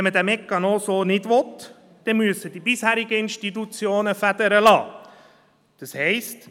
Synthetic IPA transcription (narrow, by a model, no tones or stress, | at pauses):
ɛnmədæmɛkːɑnosoːnɪdʋɔt | d̥ɛnmyəsədibɪshæːɾɪɡəɪnʃtitut͡sjoːnəfæd̥̪əɾəlɑ̰ː | d̥ɑshɛɪst